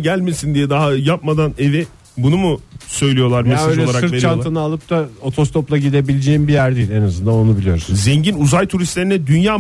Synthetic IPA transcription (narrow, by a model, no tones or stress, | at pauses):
ɟælʲme̞sind̪ijɛd̪aɦajapmad̪ane̞vi | bunumusø̞jlʲijo̞lˠaɾmeaølʲɛlˠaaɾakɯɾeɾt͡ʃant̪ʰɯnɯalˠɯp̚t̪ao̞t̪ʰo̞st̪ʰo̞plˠaɟid̪e̞bilʲed͡ʒeːimbijæɾd̪iːlʲenazɯnd̪ano̞nubilʲijo̞̰ɾuszɛɲɟinuzajt̪ʰuɾist̪lʲe̞ɾinɛd̪ynjaː